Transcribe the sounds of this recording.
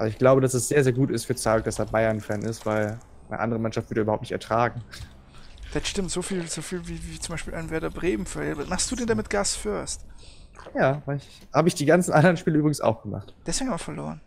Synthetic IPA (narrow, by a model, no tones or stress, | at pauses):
va̰ɪçɡ̥laʊbədasɛsz̥eːɐzeːɐɡuːtɪstfyːɐt͡saːk̚d̥asɛːɐbaɪɐnfɛːnɪstv̥aɪl | nə̰ʔa̰ndəʁ̞əmanʃaftv̥ʏɐɾəybɐhaʊtnɪçtʔɛɐtʁ̥aːɡŋ̩ | d̥ɛtʃtɪmtz̥oːfiːlz̥oːfiːlviːviːt͡sʊmbaɪʃpiːlʔaɪnvɛɐdɐbʁeːm̩fɛɛbmaχstd̥uːdeːndamɪt̚ɡ̥asfʏɐst | jaːvaɪç | haːbəɪçd̥iːɡant͡sn̩ʔandɐʁənʃpiːləyːbʁɪɡŋ̩sa̰ʊxɡ̥əma̰χtd̥ɛseːɡŋhamɐfɛɐlo̰ːʁən